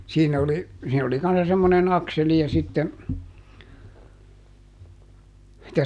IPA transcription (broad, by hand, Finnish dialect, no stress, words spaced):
siːnæ oli siːn oli kɑnsːɑ semːonen ɑkseli jɑ sitːen̞ tæ